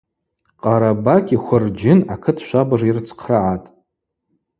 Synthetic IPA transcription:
qʼaɾabakʲʼiχʷʊrd͡ʒɪnakʰɨtʰʃʷabaʐirt͡sʰqʰraʕatʼ

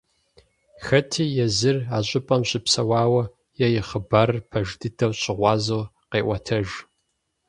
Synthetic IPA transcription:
xɐtʰiːjɛzɨraːɕʷʼɪpʼɐmɕɪpsɐwɑːwɐ | jɛjɪχəbɐrpʰɐʒdʰɨdʰɐwɕʼɪʁʷɑːzowqeːʔʷɐtʰɐʒ

